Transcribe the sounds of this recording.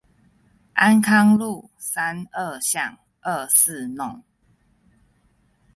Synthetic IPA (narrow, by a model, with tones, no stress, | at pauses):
ʔa˦nkʰa˦ŋlu˥˨ | sa˦nə˥˨ɕja˥˨ŋ | ʔə˥˨s̩˥˨nʊ˥˨ŋ